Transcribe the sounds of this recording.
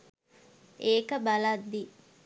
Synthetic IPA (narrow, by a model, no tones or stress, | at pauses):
eːkəbɐlɐd̪ːi